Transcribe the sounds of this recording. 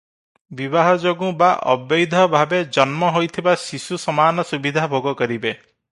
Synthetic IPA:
bibaɦɔd͡ʒoɡũbaʔɔ̰bɔjd̪ʱɔbʱabed͡ʒɔnmɔɦojt̪ʰibasisusɔmaːnɔsubid̪ʱabʱoɡɔkɔɾibe

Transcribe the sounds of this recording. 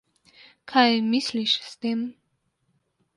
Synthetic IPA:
kʰajmisliʃst̪em

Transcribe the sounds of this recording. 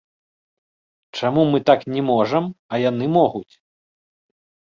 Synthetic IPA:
t͡ʂamumɨt̪aknʲɛmɔʐɐmɐjanɨmɔɣut͡sʲ

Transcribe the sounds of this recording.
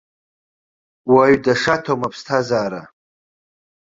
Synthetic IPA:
waɥdaʂatʰomapʰstʰazaːɾa

